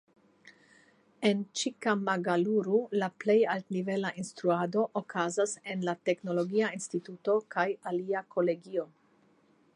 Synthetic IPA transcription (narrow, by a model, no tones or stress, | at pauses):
e̞nt͡ʃikamaɡaluɾulaple̞jaltnive̞laʔinst̪ɾuado̞ʔokʰazase̞nlate̞kno̞lo̞ɡiainstituto̞kʰajaliakʰo̞le̞ɡio̞